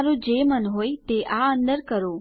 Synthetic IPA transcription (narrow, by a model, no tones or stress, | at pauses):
ɾũd͡ʒemənɦojt̪eʔaənd̪əɾkəɾo